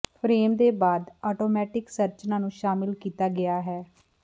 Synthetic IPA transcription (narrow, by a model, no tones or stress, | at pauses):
pʰɾeːmd̪eːbaːd̪ɔːʈoːmɛːʈɪksəɾt͡ʃnãːnũːʃaːmɪlkiːt̪aːɡɪaːɦɛː